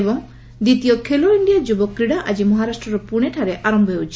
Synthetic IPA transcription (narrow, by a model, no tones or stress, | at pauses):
bɔŋ | d̪it̪ijokʰeloiɳɖijad͡ʒubɔkːɾiɽaʔad͡ʒimɔɦaɾasʈɾɔɾɔpuɽ̃eʈʰaɾeʔaɾɔmbʱɔɦeut͡ʃʰi̥